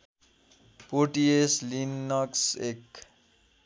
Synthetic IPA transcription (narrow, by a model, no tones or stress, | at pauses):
poʈieslinːʌksek